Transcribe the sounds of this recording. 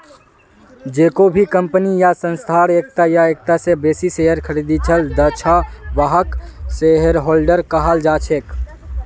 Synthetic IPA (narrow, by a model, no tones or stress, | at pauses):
d͡ʒeːkobʱikəmpənijasə̃nst̪ʰaːɾeːk̚t̪ajaeːk̚t̪asebeːsiseːjəɾkʰəɾiːd̪it͡ʃʰəld̪ət͡ʃʰaʋaɦəkseɦəɾɦoːlɖəɾkəɦald͡ʒaːt͡ʃʰeːk